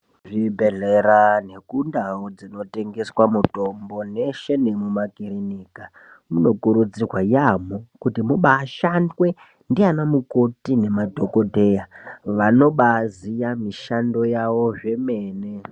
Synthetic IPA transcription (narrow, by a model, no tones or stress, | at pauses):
ʐibʱe̞ɮe̞ɾane̞kundaod͡zino̞te̞ŋɡe̞swamuto̞mbo̞ne̞ʃenemumakiɾinika | muno̞kuɾud͡zirwajamokutimuɓaːʃandwe̞ | ndianamuko̞tine̞madʱo̞ko̞dʱe̞jaʋano̞ɓazijamiʃando̞jaʋo̞ʐe̞meːne̞